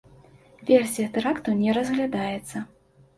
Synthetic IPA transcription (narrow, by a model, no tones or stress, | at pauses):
vʲersʲijɐt̪ɛɾakt̪ɐwnʲɛɾɐzɣlʲad̪ajɛt̪sːɐ